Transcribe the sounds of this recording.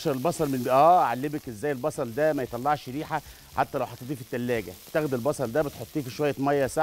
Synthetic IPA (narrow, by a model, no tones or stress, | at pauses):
ʃɑɾˤelbɑsˤɑɾˤmenʔæːʕalːemækʔezːæːjːelbɑsˤɑld̪æmæjet̪ˤɑlːɑʕʃɾiːħa | ħat̪ːælæwħɑt̪et̪ˤiːfit̪ːælːæːɡæ̰be̥t̪æɣd̪elbɑsˤɑld̪æbet̪ħot̪ˤːiːfiʃowæjːæmɑjːæsa